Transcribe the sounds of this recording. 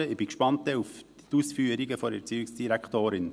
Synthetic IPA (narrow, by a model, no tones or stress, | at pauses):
əɪb̥ikʃpɑnt̪əuf | t̪usfyːəɾiɡəfɔɾɛt͡syɪksd̥iɾækχt̪oːɾɪn